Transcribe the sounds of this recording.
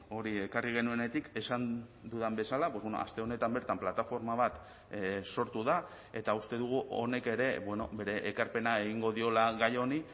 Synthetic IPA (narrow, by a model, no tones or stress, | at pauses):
o̞ɾie̞kariɣ̞e̞nue̞ne̞t̪ike̞sand̪uðambe̞salapo̞βweno̰a̰st̪e̞o̞ne̞t̪ambe̞ɾt̪amplat̪afo̞ɾmaβ̞at̪ | so̞ɾt̪uða | e̞t̪aust̪e̞ðuɣ̞uʔo̞̰ne̞ke̞ɾe̞bwe̞no̞̰be̞ɾe̞ʔːkaɾpe̞nae̞ɣiŋɡo̞ðio̞laɣajo̞ni